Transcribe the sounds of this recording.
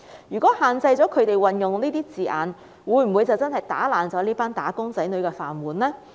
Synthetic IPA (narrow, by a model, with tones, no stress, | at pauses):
jyː˨˩kɔː˨˥haː˨nt͡sɐ˧jt͡sɔː˨˥kʰɵ˨˧ɥt̪e˨jwɐ˨njʊ˨ŋniː˥t̪iː˥t͡siː˨ʔa̰ː˨n | wuː˨˧jm̩˨˩wu˨˧jt͡sɐ˨˩wt͡sɐ˥nhɐ˨˩jt̪a̰ː˨˥laː˨˩nt͡sɔː˨˥liː˥paː˥nt̪aː˨˥kʊ˥ŋt͡sɐ˨˥jnɵ˨˧ɥkɛː˧fa̰ː˨nwuː˨˩nlɛː˥